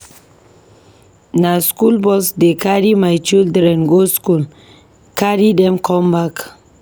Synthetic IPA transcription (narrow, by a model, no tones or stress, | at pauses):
naskulbɔsdekʰaɹimajt͡ʃildɾɛ̃nɡoskul | kʰaɹidɛ̃mkʰɔ̃mbak